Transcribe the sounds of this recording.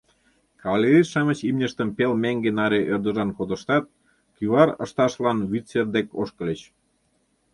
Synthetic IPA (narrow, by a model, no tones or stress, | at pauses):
kɑβlʲeɾʲiʃɑmə̆t͡ɕimnʲəʃt̪əmpelmæŋɡenɑɾeʔørd̪ə̆ʒɑnkod̪ə̆ʃt̪ɑt̪̚ | kyβɑɾə̰̆ʃt̪ɑʃlɑnβit͡serd̪eko̰ʃkə̆lʲət͡ɕ